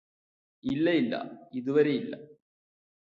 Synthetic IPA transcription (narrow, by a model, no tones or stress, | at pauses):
ilːɐjilːɐ̰iðuʋɐɾe̞jilːɐ̰